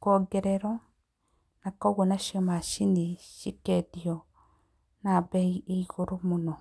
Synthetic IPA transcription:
kɔɡɛɾɛɾɔ | nakɔɣonaʃɔmaʃineʃikɛðiɔ | nabɛieiɣoɾomonɔ

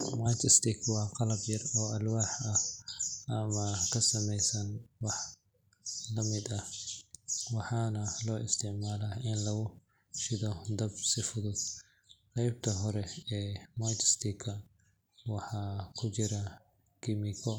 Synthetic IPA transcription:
maːt͡ʃɪst̪ʰɪkʰwɑːqɑlɐbjɐrɔːɐlwaːħɐhʔɐmɐkʰɐsɐmɛjsɐnwɑħ | lɐmɪd̪ɐh | wɑħɑːnɐlɔːʔɪst̪ʰɪʕmaːlaɪnlɐɣʊ | ʃɪðɔd̪ɐbsɪfʊðʊd̪ | qɛjb̚t̪ʰɐɦɔɾɛɛːmaːt͡ʃɪst̪ʰɪkʰɐ | wɑħɑːkʰʊt͡ʃɪɾɐ | kʰɪmɪkʰɔ

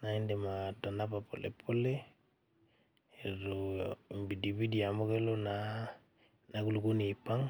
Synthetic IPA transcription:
naindematanapapʰo̰lḛpʰole | eɾoimbidibidiamokelona | naɡuluɡunipaŋ

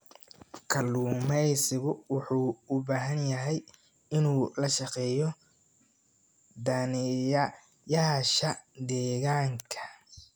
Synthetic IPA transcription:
kʰɐluːmɛjsɪɣʊwʊħuːʊbaːɦɐnjɐɦɛj | ɪnuːlɐʃɑqɛːjɔ | d̪aːnj | jaːʃɐd̪ɛːɣaːŋkʰɐ̥

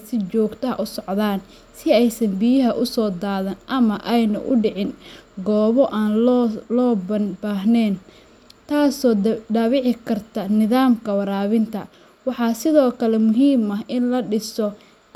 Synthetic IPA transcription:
sɪt͡ʃɔːɡt̪ʰɐɦɐ̰ʔʊsɔʕðaːn | sɪɛjsɐmbijɐɦɐʔʊsɔːd̪aːðɐnʔɐmɐʔɛjnʊ̰ʔʊɖɪʕɪnɡɔːβɔʔaːnlːlɔːbɐnbaːɦnɛːn | t̪ʰaːsɔːɖaːβɪʕɪkʰɐrt̪ʰɐnɪðaːmkʰɐwɐɾaːβɪnt̪ʰɐ | wɑħɑːsɪðɔːkʰɐlɛmʊɦiːmɐɦɪnlɐɖɪsɔ

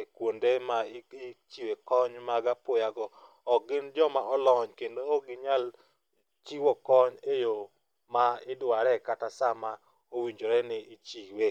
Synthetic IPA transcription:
ekwondemat͡ʃiwekɔɲmaɡapojaɡɔː | ɡɪnd͡ʒɔmaʔɔlɔɲkendoːɡɪɲal | t͡ʃiwokɔɲejo | maɪdwaɾɛkatasama | owiɲd͡ʒoɾɛnɪɪt͡ʃiwe

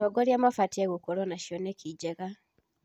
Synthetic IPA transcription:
ɔɡɔɾjamafatieɣukoɾɔnaʃjɔnekʰid͡ʒɛɣa

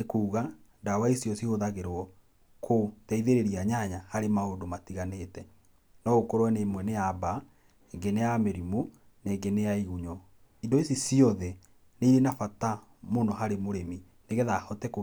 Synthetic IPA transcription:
nekuːɣandawaisiɔsihoðaɣeɾwɔ | kʰotɛiðeɾeɾiaɲaɲahaɾemaodomatiɣanetɛ | nɔɣokoɾwɛnemwɛneaba | eŋɡenejameɾimo | neŋɡeneaiɣuɲɔ | indoisisiɔðɛ | neiɾenafata | monɔɦaɾemoɾemi | neɣeðahɔtɛko

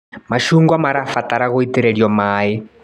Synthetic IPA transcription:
maʃuŋɡwamaɾafataɾaɣɔitɛɾɛɺjɔmaɛ

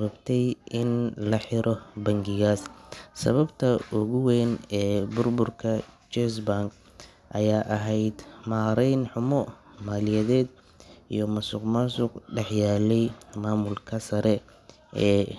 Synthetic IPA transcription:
βɐbt̪ʰɛjɪnlɐħɪɾʔɔbɐŋɡɪɣaːssɐ̰βɐbt̪ʰɐʔʊɣʊwɛːnɛːbʊrbʊrkʰɐt͡ʃɛsbaŋk | ʔɐjaːʔɐɦɛjd̪maːɾɛjnħʊmɔ | maːlɪjɐðɛːd̪ | ḭjɞmɐsʊqmɐsʊqɖɛħjaːlɛjmaːmʊlkʰɐsɐɾɛ | ɛː

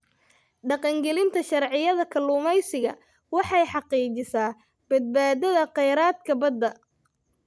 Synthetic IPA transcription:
ɖɑqɑŋɡɛlɪnt̪ʰɐʃɑrʕɪjɐðɐkʰɐlʊːmɛjsɪɣɐ̰ | wɑħɑjħɑqiːt͡ʃɪsaː | b̥ɐd̪̚baːd̪ɐðɐqɛjɾaːd̪kʰɐbɐd̪ːɐ

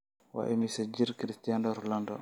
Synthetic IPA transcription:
wa̰ʔɛmisad͡ʒiɾkiɾistijandɔɾɔlandɔ̰

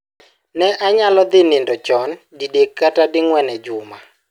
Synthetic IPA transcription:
nɛʔaɲalɔd̪ɪnɪndɔt͡ʃɔndidekːatadɪŋwɛnɛd͡ʒʊma

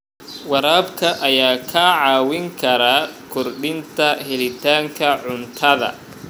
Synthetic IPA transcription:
wɑɾaːbkʰɐʔɐjaːkʰaːʕɑːwɪŋkʰɐɾakʰɔrɖɪnt̪ʰɐhɛlɪt̪ʰaːŋkʰɐʕʊnt̪ʰɐðɐ̰

